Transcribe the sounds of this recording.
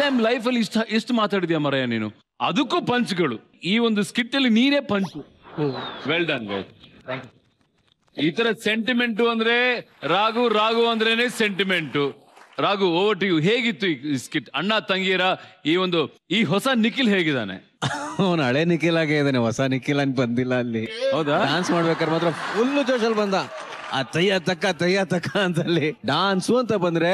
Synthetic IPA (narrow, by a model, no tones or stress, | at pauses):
ɐjmlɐjp̬ʰɐlːiʂʈʔeʂʈumaːt̪aːɽit̪ijamɐɾɐjaniːnṵ | ɐ̰d̪ukːupɐɲt͡ʃɡɐɭu | iːʋond̪uskiʈːɐlːiniːne̞ːpɐɲt͡ʃu | ʋelɖɐnʋḛl | it̪ɐɾɐse̞ɳʈime̞ɳʈuɐnd̪ɐɾe̞ɾaːɡuɾaːɡuɐnd̪ɐɾene̞ːse̞ɳʈime̞ɳʈu | ɾaːɡuoːʋɐʈiɡuɦeːɡit̪ːuiːiskiʈɐɳːat̪ɐŋɡiːɾɐiːʋond̪u | iːɦɔsɐnikːilɦeːɡid̪a̰ːnḛ | ɐʋnɐɭenikilaːɡeid̪ɐːneɦɔsɐnikːilɐːnbɐnd̪ilːɐːlːiɦɐwd̪aɖaːnsmaːɽbeːkaːɾmaːt̪ɾɐfulːut͡ʃoːʃɐlbɐnd̪a | aːt̪ɐjːat̪ɐkːat̪ɐjːat̪ɐkːaːnt̪ɐlːiɖaːnsuɐnt̪ɐbɐnd̪ɾe̞